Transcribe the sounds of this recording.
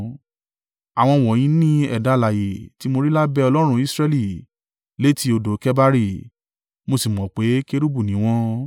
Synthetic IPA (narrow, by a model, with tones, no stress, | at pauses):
a˨w̃ɔ̃˧wɔ˨j̃ĩ˨˦nĩ˦ɛ̰˨da˨˧˦la˨je˨ti˨˦mo˧ɾi˦la˦bɛ˧ɔ˧lɔ˦ɾ̃ũ˧˦i˦sɾɛ˧li˦˨ | le˨˦ti˧o˧do˨˦kɛ˦ba˦ɾi˦˨ | mo˧si˨m˨ɔ̃˨k͡pe˨˦ke˦ɾu˦bu˦˨nĩ˨˦w̃ɔ̃˧